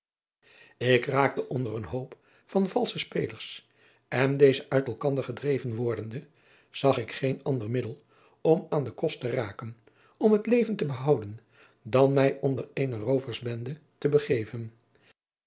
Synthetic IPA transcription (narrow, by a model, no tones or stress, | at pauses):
ɪkraːk̚təʔɔndərənɦowp | fɑnv̥ɑlˠsəspejləɹs | ɛndejzəʔœɥtɛlˠkɑndəɹχədrejvənʋɔɹdəndə | z̥ɑχɪkχejnɑndərmɪdəlˠ | ɔmaːndəkɔstəraːkən | ɔmɦətlejvəntəbəɦɑwdən | dɑnmɛjʔɔndərejnərowvəɹzbɛndətəbəχejvən